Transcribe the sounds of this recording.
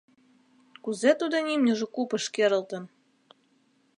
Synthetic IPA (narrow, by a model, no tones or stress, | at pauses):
kuzet̪ud̪onʲimnʲə̆ʒĕkupə̆ʃkeɾə̆lt̪ə̆n